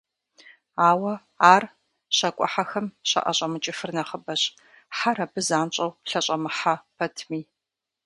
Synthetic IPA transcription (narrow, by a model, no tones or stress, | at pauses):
aːwɐ | aːr | ɕɐkʷʼɔ̰ħaxɐmɕɐ̰ʔɐ̰ɕʼɐmɨt͡ʃʼɪfɨrnɐχəbɐɕʼ | ħaɾɐbɨzaːnt͡ʃʼɐwɬɐɕʼɐmɨħapʰɐtʰmiː